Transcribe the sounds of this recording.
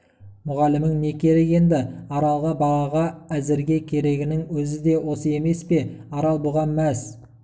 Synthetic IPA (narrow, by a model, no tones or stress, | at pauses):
mʊʁɑlɪmɪŋne̞kʲʰe̞ɾeke̞nd̪ɪɑɾɑlˠʁɑbɑʁɑʁɑæzɪɾɡʲe̞kʲʰe̞ɾe̞ɡʲɪnɪŋwɵzɪd̪e̞wo̞səje̞me̞spe̞ɑɾɑlˠboʁɑnmæs